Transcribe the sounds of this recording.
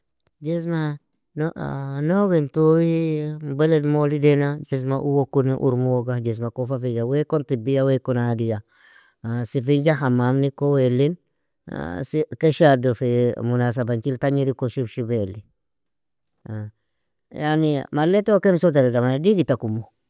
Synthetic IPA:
d͡ʒesma | nonoɡentojimbeledmolidenad͡ʒes̬maʔuwokuniʔṵɾmuwoɡad͡ʒes̬makofafid͡ʒawekontibijawekonadija | sifiɲd͡ʒahamamnikowelːin̰ | sikeʃadofemunas̬abaɲt͡ʃiltaɲiɾikoʃubʃibeli | janimaletokemsot̬aɾidamadiɡitakumo

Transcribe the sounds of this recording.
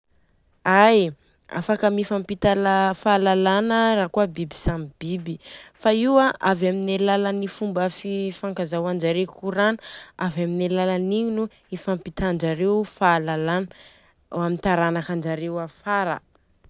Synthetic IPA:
aj | a̰fakəmifampit̪alafalalanəraːkuabibi̥samb̥ibifaiwaʔavaminelalanifumbəfifaŋkazawand͡ʒaɾekuɾanavaminelalaniɲinu | ifampit̪aɳd͡ʒaɾewfalalan | amint̪aɾanakand͡ʒaɾewafaɾa̰

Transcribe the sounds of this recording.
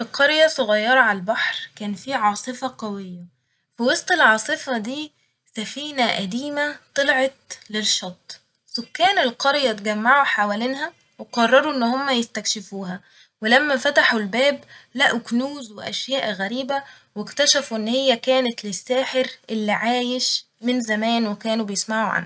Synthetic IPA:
feqɑɾjæsoɣɑjːɑɾˤɑʕalælbaħɾkæːnfiːʕɑːsˤɨfɑqɑwejːæ | fiwɑsˤt̪ˤelʕɑːsˤɨfɑd̪iː | sæfiːnæʔæd̪iːmæt̪ˤelʕɑt̪̚lelʃɑt̪ˤː | sokːæːnelqɑɾjæt̪ɡæmːaʕuħawæːlenhæ | weqɑrˤːɑɾˤuʔenːhomːæjest̪ækʃɪfuːɦæ | welæmːæfæt̪aħulbæːblæʔuknuːzweʔæʃjæːʔɣæɾiːbæ | wekt̪æʃæfuʔenːhejːækæːnæt̪lesːæːħeɾʔelːiʕaːjeʃ | mɪnzæmæːnwekæːnubejesmaʕuʕa̰nh

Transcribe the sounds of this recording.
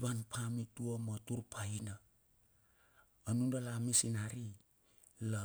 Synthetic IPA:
βanpʰamituamatuɾpʰajna | nundalamisinaɾi | la

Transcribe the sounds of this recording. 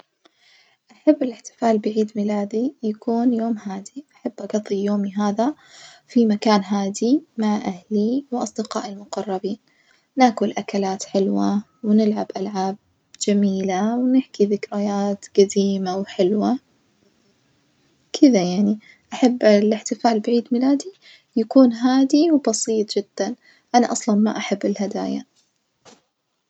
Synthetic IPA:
ʔaħabːɪlɪħt̪ɪ̥faːlbɪʕiːd̪mɪlaːd̪ijakuːnjoːmhaːd̪iʔaħabːʔɑɡɑðˤːijoːmiɦaːða | fimakaːnɦaːd̪imaʕʔahliwʔɑsˤd̪ɪqɑ̰ːʔɪlmʊqɑrˤːɑbiːn | naːkʊlʔakalaːt̪ħɪlwa | wnɪlʕabʔalʕaːb̚ | d͡ʒamiːlawnɪħkiðɪkɾajaːt̪ɡ̥ad̪iːmawħɪlwa | kʰɪðajaʕni | ʔaħabːlɪħt̪ɪfaːlbaʕiːd̪mɪlaːd̪i | jakuːnɦaːd̪iwbɑsˤiːt̪ˤd͡ʒɪd̪̥ːan | ʔanaʔɑsˤlɑnma̰ʔaħabːɪlɦad̪a̰ːja̰

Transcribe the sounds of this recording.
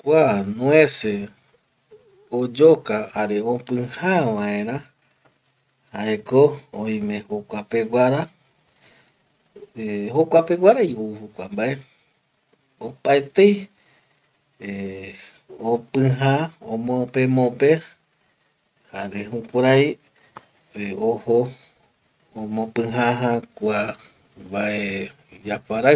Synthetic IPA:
kʷanũese | od͡ʒokahaɾeopɨ̃hãʋãẽɾã | haekooĩmẽ̞hokʷape̞ɡaɾa | eɦokʷape̞ɡʷaɾajohukʷambae̞ | opaet̪ej | e | opɨ̃ɦaõ̰mõpemõpe | haɾeɦũkʷaɾaj | oho | õmõpɨ̃ɦaɦãkʷa | baʔe | d͡ʒapaɾa

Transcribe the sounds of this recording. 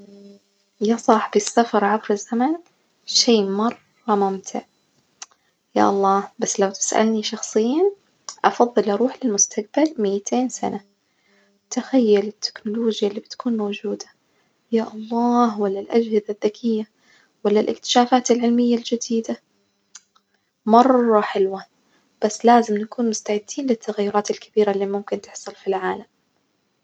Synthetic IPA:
jasˤɑħbisːafɑɾˤʕabɾɪzːaman | ʃeːmɑrˤːɑmʊmt̪ʰɪʕ | ja̰ːʔɑlˤːɑːhbasːlawt̪ɪ̥sʔa̰lniʃɑxsˤɨjiːn | ʔɑfɑðˤːɨlʔɑɾuːħlɪlmʊst̪ʰaq̚balmɪjːɪt̪ʰeːnsa̰na | t̪axajːalɪt̪ʰːɪ̥knʊloːd͡ʒjalːiːbɪt̪kʰuːnmowd͡ʒuːd̪ḁ | jaːʔɑlˤːɑːhwalːalʔad͡ʒhɪðaðːakʰɪjːa | walːalʔɪ̰kt̪ɪ̥ʃaːfaːt̪ɪlʕɪlmɪjːald͡ʒɪd̪iːd̪a | mɑrˤːɑħɪlwa | b̥asːlaːzɪmnakuːnmʊst̪aʕɪd̪ːiːnlɪt̪ːaɣajːʊɾˤɑːt̪ɪlkabiːɾalːimʊmkɪnt̪ɪħsˤʊlfilʕaːlam

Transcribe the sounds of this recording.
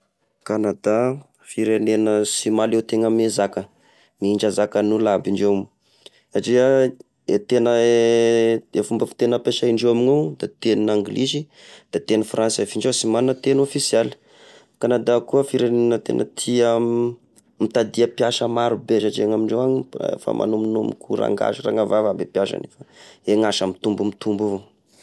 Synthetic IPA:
kanad̪a | fiɾenenəsimalewt̪eŋəmezakə | miiɳd͡ʒazakənulabiɳɖ͡ʐe | zaʈ͡ʂiə | et̪enə | efumbəfi̥t̪enəpeʃaiɳɖ͡ʐewaminud̪̥at̪enaŋɡlʔizi | d̪̥at̪enifransefiɳɖ͡ʐewsimanunət̪enofisjɛli̥ | kanad̪akuəfiɾeninət̪ḛnʔə̰t̪ʰia | mit̪ad̪iapjaʃəmaɾubeʃaʈ͡ʂieŋamiɳɖ͡ʐewaɲfa̰mʔa̰numinumḭkuɾa̰ŋɡa̰ʃira̰ŋavavabepjaʃa̰nefəeŋaʃamit̪umbumit̪umbuvo

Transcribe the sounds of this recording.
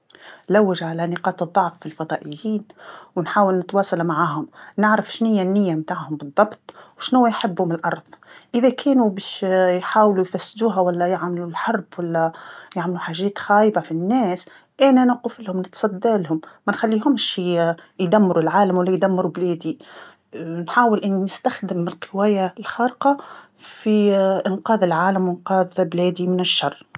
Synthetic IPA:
lawːɪʒʕalanɪqɑːt̪ɨðˤːɑʕfːilfɑd̪ˤɑːʔɪjːiːnwnħaːwɪlnɪt̪wɑːsˤɑlmaʕaːɦʊmnɪʕɾafʃnɪjːanːɪjːamt̪aːʕhʊmbɨðˤːɑbt̪ˤwʃnʊwːajħɪbːhʊmɪlʔɑɾˤðˤʔɪðækʰɛːnubɛːʃjħaːwlujfæsːd̪uːɦawælːæjɪʕmlulħɑɾˤbwalːæjaʕmluħaːʒɛːt̪xaːjbafinːɛːs | ʔænænɑqɪflhʊmnɪt̪sˤɑd̪ːaːlhʊmːænxælːiːɦʊmːʃijd̪æmːɪɾulʕaːlæmwælːæjd̪æmːɪɾublɛːd̪i | nħaːwɪlʔænːiːɪst̪axd̪ɪmɪlqɪwæːjalxɑːɾqɑ | fiʔɪnqɑːðɪlʕaːlæmwɪnqɑːðblɛːd̪imɪnɪʃːɑrˤː

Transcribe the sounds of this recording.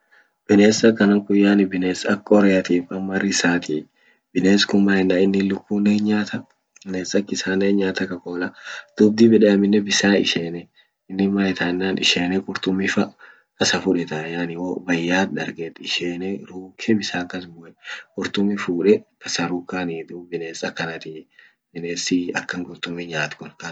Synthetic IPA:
b̥ɪne̞ːsɐkːɐnɐŋkʊjːaːnɪbɪneːsɐkːɐɔɾɛjɐt̪iːfɐmːɐrɪsaːt̪i | bɪneːskʊmːaːɪnːaːɪnːɪlʊkːuːneːɲaːt̪ɐ | ɪneːsɐkːɪsaːneːɲːaːt̪ɐkɐkoːlɐd̪̥ʊb̚d̪ibɛᶑɛɐmɪnːɛbɪsaːɪ̰ʃeːnɛ | ɪnːɪmaːjɪt̪aɪnːaːnɪ̰ʃeːnɛkʼʊɾt̪ʊmːɪfɐ | kɐsɐfʊᶑɛt̪ɐjaːnɪwobɐjːaːt̪ᶑ̪ɐɾɡet̪ːɪʃeːnɛɾuːkʰɛbɪsaːkːɐsbʊʔɛkʼʊɾt̪ʊmɪfuːᶑɛkɐsɐɾuːkːaːnid̪ubɪneːsɐkːɐnɐt̪ɪ | bɪneːsɪɐkːɐŋkʼʊɾt̪ʊmɪɲaːt̪kʊnkɐ

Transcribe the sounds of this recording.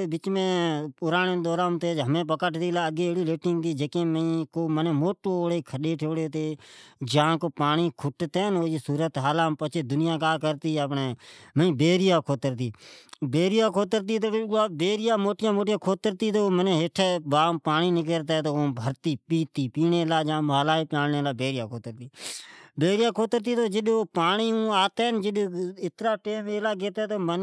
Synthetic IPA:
bɪt͡ʃmẽːpʊɾaːnẽːd̪ɔːɾãːmt̪eːd͡ʒɦəmẽːp̬əkəʈt̪iːlaːəɡeːeːɽiːleːʈɪŋɡt̪iːd͡ʒeːkẽːməĩːkoːmənẽːmoːʈoːoːɽeːkʰəɗeːʈʰeːɽeːt̪eːd͡ʒãːkoːpaːniːkʰʊʈt̪eːnoːd͡ʒiːsuːɾət̪ɦaːlãːmpət͡ʃʰeːd̪ʊnɪjãːkaːkəɾt̪iːəpneːməĩːbeːɾɪjaːkʰoːt̪əɾt̪iːbeːɾɪjaːkʰoːt̪əɾt̪̬iːt̪oːaːbeːɾɪjaːmoːʈɪjãːmoːʈɪjãːkʰoːt̪əɾt̪iːt̪oːmənẽːɦeʈʰebaːmpaːniːnɪk̬əɾt̪̬eːt̪oːoːbʱəɾt̪iːpiːt̪iːpiːneːlaːd͡ʒãːmaːlaːiːpjãːɳneːlaːbeːɾɪjaːkʰoːt̪əɾt̪iːbeːɾjaːkʰoːt̪əɾt̪iːt̪oːd͡ʒɪɗoːpaːɳiːũːaːt̪eːnd͡ʒɪɗɪt̪ɾaːʈeːmeːlaːɡeːt̪eːt̪oːmən

